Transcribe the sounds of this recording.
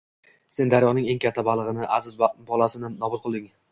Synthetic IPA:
se̞nd̪aɾjɒʁnɪŋe̞ŋkʲʰat̪ʰːabalˠɨʁɨnɪʔazɪzbɒlˠasɪnɪnɒbʊɾˠqʰɨlˠd̪ɪŋ

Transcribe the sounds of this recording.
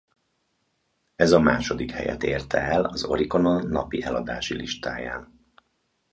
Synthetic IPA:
ɛzɒmaːʃo̞d̪ikhɛjɛ̰t̪eːrt̪ɛɛlɒzo̞̰ɾiko̞nonːɒpiʔɛlɒd̪aːʃiliʃt̪aːjaːn

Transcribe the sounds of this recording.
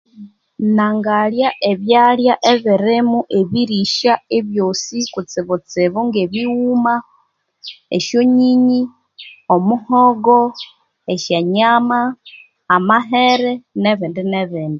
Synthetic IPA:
naŋɡaljaʔeβjaljaʔeβiɾemuʔeβiɾiʃaeβjo̞sikut͡siβut͡siβuŋɡeβiwuma | ḛʃoɲiɲi | omuhoɡo | eʃeɲamaː | maɦeɾeneβindineβiːndi

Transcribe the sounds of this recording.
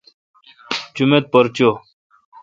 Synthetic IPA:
t͡ɕumet̪̚pəɾt͡ɕo

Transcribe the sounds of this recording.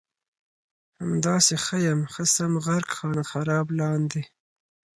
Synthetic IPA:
hamd̪ɑːsexəjamxəsamɣaɾkxɑːnaxaɾɑːblɑːnd̪e

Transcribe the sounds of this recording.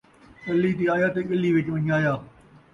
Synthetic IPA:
kɐlːiːt̪̬iːaːjaːt̪eːɠɐliːʋɪt͡ʃʋəɲaːjaː

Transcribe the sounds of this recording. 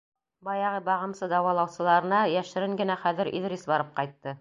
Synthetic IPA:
bɑjɑʁɤbɑʁɤ̆msɤd̪ɑwɑlˠɑwsɤ̆lˠɑɾɤ̆nɑjæʃɘ̆ɾɘŋɡɘ̆næχæðɘ̆ɾʔḭðɾesbɑɾɤp̚qɑjt̪ːɤ

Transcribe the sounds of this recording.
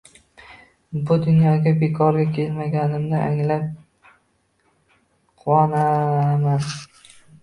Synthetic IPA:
bʊd̪ʊnjɒɡʲabe̞kʰɒɾɡʲakʲʰe̞lmaɡʲanɪmnɪʔaŋlap̚ | qʰʊwɒnaman

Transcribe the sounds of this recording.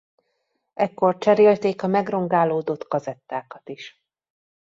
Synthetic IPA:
ɛkːo̞rt͡ʃɛɾeːlt̪eːkɒmɛɡro̞ŋɡaːloːd̪ot̪kɒzɛt̪ːaːkɒt̪iʃ

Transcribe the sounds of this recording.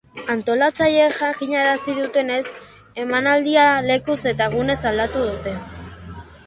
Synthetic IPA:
ant̪o̞lat͡saʎe̞ʝaŋkiɲaɾasiðut̪e̞ne̞s | e̞manald̪iale̞kuse̞t̪aɣune̞sald̪at̪uðut̪e̞

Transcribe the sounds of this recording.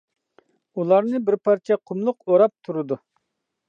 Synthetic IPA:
ulˠɑɾnɨbɪɾpɑɾt͡ʃʰɛqʰʊmlˠʊqoɾɑp̚t̪ʰuɾɨd̪u

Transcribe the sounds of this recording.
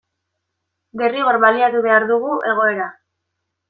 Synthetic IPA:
be̞riɣo̞ɾβaliat̪uβ̞e̞aɾðuɣuʔe̞ɣ̞o̞e̞ɾa

